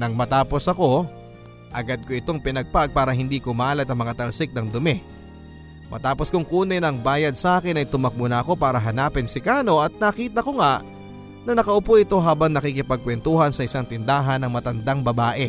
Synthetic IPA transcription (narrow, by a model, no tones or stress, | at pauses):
nɐŋmɐt̪aːpo̞sɐko̞ | ʔɐɡad̪̚koɪt̪o̞ŋpɪnɐɡ̚paɡ̚paːɾɐɦɪnd̪iːkʊmɐaːlɐt̪̚ɐŋmɐŋat̪ɐlsɪk̚nɐŋd̪ʊmɛ | mʔɐ̰t̪aːposkʊŋkuːnɐjnɐŋbaːjɐd̪̚sɐʔaːkɪnɐjt̪ʊmɐk̚munɐʔɐko̞paːɾɐɦɐnaːpɪnsɪkaːno̞ʔɐt̪̚nɐkiːt̪ɐko̞ŋaʔ | nɐnɐkɐʔʊpoʔɪt̪o̞ɦaːbɐŋnɐkikɪpɐɡ̚kwɛnt̪uɦɐnsɐʔɪsaŋt̪ɪnd̪aːɦɐnːɐŋmɐt̪ɐnd̪aŋbɐbaːʔɛ